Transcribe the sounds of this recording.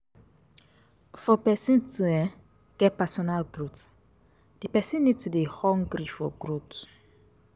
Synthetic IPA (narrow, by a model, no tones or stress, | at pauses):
fɔpɛsĩntuɛ̃ | ɡ̥ɛpɛsɔnalɡɾut | d̥ipɛsĩnːitudehɔ̃ŋɡɾifɔɡɾut